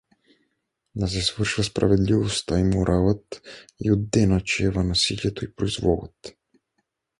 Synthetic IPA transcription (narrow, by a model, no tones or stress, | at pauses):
d̪as̬ɛsvr̩ʃuvaspɾa̰vɛd̪livɔst̪aimɔɾʔavat̪iod̪ːɛnat͡ʃɛvanasiljɛt̪oipɾoizvɔɡa̰t̪